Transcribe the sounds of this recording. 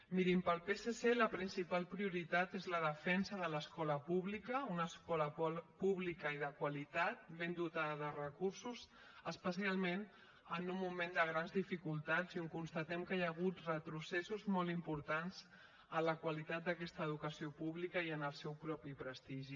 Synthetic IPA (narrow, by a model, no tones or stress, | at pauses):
miɾimpəlˠpeseseləpɾinsipalˠpɾiuɾit̪at̪ezləðəfɛnsəðələskɔləpuβlikəunəskɔləpuβlikəiðəkwəlit̪at̪̚βend̪ut̪aððərəkuɾsuz | əspəsialˠmen | ənumːumend̪əɣ̞ɾanzðifikulˠt̪azuŋkunst̪ət̪ɛmkəjaɣ̞ut̪rət̪ɾusesuzmɔlimpuɾt̪anz | ənləkwəlit̪at̪̚d̪əkɛst̪əːð̞ukəsiopuβlikəiənəlˠsɛwpɾɔpipɾəst̪iʒi